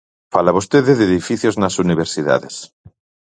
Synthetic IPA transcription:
falaβ̞ost̪eðeðeðifiθjoznasuniβ̞eɾsiða̰ðes

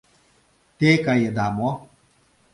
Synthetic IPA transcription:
tekajedamɔ

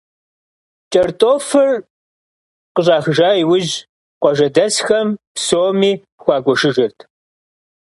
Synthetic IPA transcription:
t͡ʃʼɐrtʼoːfɨr | qəɕʼaːxɨʒaːjiwʊʑ | qʷɔʒɐdɐsxɐmpsoːmiː | xʷɑːɡʷɔʂɨʒɪrtʰ

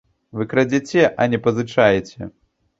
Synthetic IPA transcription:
vɨkɾɐd͡zʲɛt͡sʲɛʔɐnʲɛpɐzɨt͡ʂajet͡sʲɛ̰

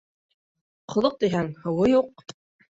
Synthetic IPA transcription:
qʰŏðˠoq̚t̪iɦæŋhɤ̆wɤjuq̚

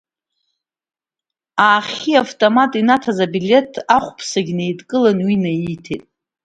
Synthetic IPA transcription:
aːχʲiaftʼomatʼinatʰazabile̞tʰaχʷpʰsaɡʲnejdʼkʼɨlanwinajitʰḛtʼ

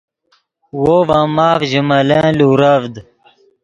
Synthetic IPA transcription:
wovãːmaːfʑimɐlẽːluːɾɐvd̪

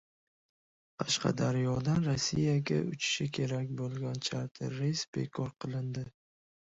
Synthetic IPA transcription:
qʰɑʃqʰɑ̰d̪aɾjɒd̪anɾosːijaɡʲaʊt͡ʃʰɪ̥ʃɪkʲʰe̞ɾakʲbolˠɡʲant͡ʃʰaɾt̪ʰɪɾːesb̥ekʰɒɾqʰɨlˠɪnd̪ɪ

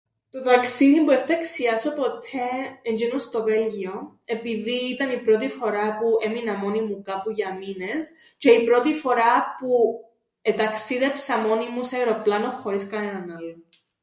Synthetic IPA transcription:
t̪o̞ðɐksiðimpueθɐeksiɐsopo̞t̪ʰeeɲd͡ʒenost̪o̞ve̞lʝio̞ | e̞piðiːt̪ɐnipɾo̞t̪̬ifo̞ɾɐpueminɐmo̞nimukɐpuʝɐmine̞s | ce̞ipɾo̞t̪ifo̞ɾɐpu | et̪ɐksiðepsɐmo̞nimuseaɾo̞plɐno̞xo̞ɾiskɐnenɐnɐlːo

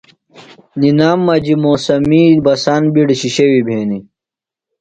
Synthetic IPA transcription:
ninaːmːɐd͡ʑimoːsɐmiːbɐsaːnbiɽɕiɕewibʱeːni

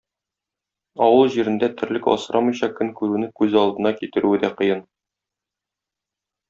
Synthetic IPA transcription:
ɒwɤlˠʑiɾɘ̆nd̪æt̪ʰɘ̆ɾlɘkɒ̰sɤ̆ɾʔɑmɤ̆jɕɑkɵŋkʉɾʉnɘkʉzɒlˠd̪ɤ̆nɑkit̪ɘ̆ɾʉɘd̪æqɤ̆jɤn

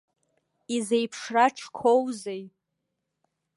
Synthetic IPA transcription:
izejpʰʂraʈ͡ʂʰkʷʰowzej

